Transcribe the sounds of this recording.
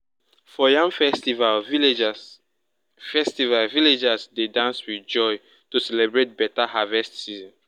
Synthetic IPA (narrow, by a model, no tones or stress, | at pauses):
fɔjãŋfɛstival | fɛstivalviled͡ʒasdedãnswid͡ʒɔj | tusɛlɛbɹet̚bɛtahavɛstsizɔ̃n